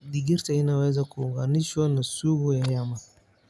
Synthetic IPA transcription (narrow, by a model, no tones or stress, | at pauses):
diɡiɾtainawazakuɡaniʃɔnasubujajama